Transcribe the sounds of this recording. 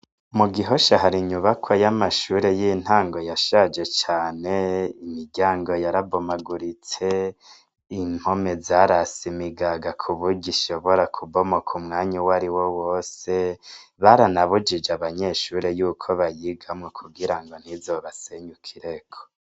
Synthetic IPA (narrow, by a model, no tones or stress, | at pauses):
muɡiɦo̞ʃaɦaɾiɲuβakʰwojamaʃuːɾe̞jin̥haːŋɡo̞jaʃad͡ʒe̞t͡ʃaːneimiɾɟaːŋɡo̞jaɾabomaɡuɾit͡se̞ | in̥ho̞me̞zaɾasimiɡaɡakʰuβuɟiʃo̞βo̞ɾakʰubomokʰumŋaːɲawaɾiwo̞wo̞ːse̞βaɾanaβud͡ʒid͡ʒaβaɲe̞ʃuːɾe̞juːkʰo̞βajiɡamŋokʰuɡiɾaŋɡo̞n̥hizoβaseɲukʰiɾekʰo̥